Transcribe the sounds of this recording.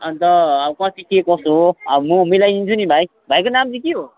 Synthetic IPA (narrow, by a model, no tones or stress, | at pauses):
ʌnt̪ʌkʌt̪ikekʌsoʌmumʌjlajint͡sʰunibʱaj | bʱajkonamd͡zikiɦo